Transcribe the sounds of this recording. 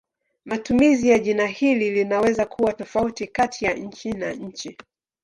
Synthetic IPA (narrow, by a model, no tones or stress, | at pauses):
matumizijaʄinahililinawɛzakʰuwatɔfautikatʰijaɲ̩t͡ʃinaɲ̩t͡ʃi